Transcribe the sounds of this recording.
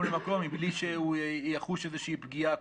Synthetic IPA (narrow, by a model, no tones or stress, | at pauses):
lemako̞mibliʃeujaχuʃezeʃiipɡia